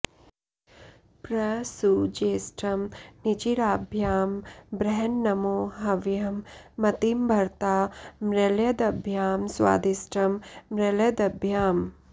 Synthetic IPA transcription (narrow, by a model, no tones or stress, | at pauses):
pɾɐsud͡ʒeːsʈʰɐmnit͡ʃiɾaːbʱjaːmbɾɛɦɐnːɐmoːɦɐʋjɐmːɐt̪imbʱɐɾt̪aːmɾeljɐd̪ɐbʱjaːmsʋa̰ːd̪isʈɐmːɾeljɐd̪ɐbʱjaːm